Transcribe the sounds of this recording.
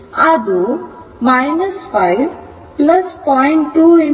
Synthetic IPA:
ad̪u | majnəsfaɪʋ | plɐspɔɪ̃ɳʈʈːuːe

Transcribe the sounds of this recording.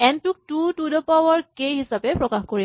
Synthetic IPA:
ɛntuk̚tutudɔpawɔɹkejɦisapɛpɹɔkaxkoɹi

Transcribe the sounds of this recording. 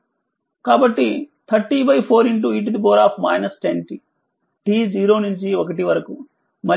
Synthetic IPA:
kaːbɐʈːit̪ʰɐɾʈibɐjpʰoːɾiɳʈ̬uiʈ̬ud̪ipoːɾaːpʰma̰ːjnɐsʈenʈi | ʈiːd͡ʒiːɾo̞ːnuɲt͡ʃiɔkɐʈiʋɐɾɐku | mɐ

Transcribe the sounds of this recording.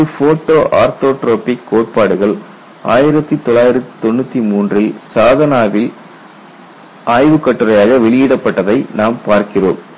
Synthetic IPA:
ɯfoːʈːoːʔaːɾt̪oːʈɾoːpɪkːoːʈ̚paːɽɯɣɐɭ | ʔaːjɪɾɐt̪ːɯt̪ɔlːaːjɪɾɐt̪ːi̥t̪ɔnːɯt̪ːimuːndrɪlsaːðɐnaːʋɪl | ʔaːjʋɯkːɐʈːɯrɐjaːɣɐʋɛɭɪjɪɽɐpːɐʈːɐðɐɪnaːmpaːɾkɪro̰ːm

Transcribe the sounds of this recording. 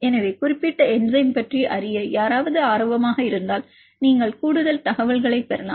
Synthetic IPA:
ɛnɐʋeːkʊrɪpːɪʈːɐɛnzɐɪmpɐʈriʔɐrɪjɐjaːɾaːʋɐðɯaːɾoʋɐmaːɣɐɪɾɯnd̪aːl | niːŋɡɐɭkuːɽɯðɐlt̪ɐɣɐʋɐɭɣɐɭɐɪpːɛɾɐla̰ːm

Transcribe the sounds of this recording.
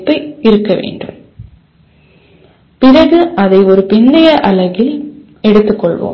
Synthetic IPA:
pːɐɪɪɾɯkːɐʋḛːɳɖɯ̰m | pɪɾɐɣɯʔɐðɐɪɔɾɯpɪnd̪ɐjɐʔɐlɐɣɪl | ɛɽɯt̪ːɯkːɔɭʋo̰ː

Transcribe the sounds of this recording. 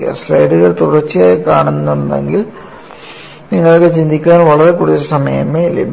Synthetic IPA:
a̰srɐjɖuɣɐɭt̪uɽɐrt͡ɕːɨjajkːaːɳunːuendḛŋɡil | niŋːɐɭokːet͡ɕind̪ʱikʲːaːnʋɐɭɐɾekuːɽuðɐlsɐmɐjɐ̰melḛ

